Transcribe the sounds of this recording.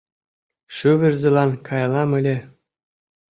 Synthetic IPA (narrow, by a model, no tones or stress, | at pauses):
ʃyβʲɘ̆rʲzĕlˠɑnkʰɑjlˠɑmɘ̆lʲe